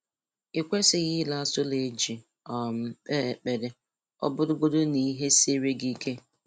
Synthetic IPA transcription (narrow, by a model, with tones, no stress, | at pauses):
ɪ˨kʷe˦sɪ˨ɣɪ˦la˦sʊ˦le˨d͡ʒi˨ | ɔ˨m̩˨˦k͡pe˦˨k͡pe˨dɪ˦ | ɔ̰˦bʊ˦dʊ˦ɡo˦dʊ˦ni˨˦ɦe˦se˦ɾe˦ɡi˦kʰe˦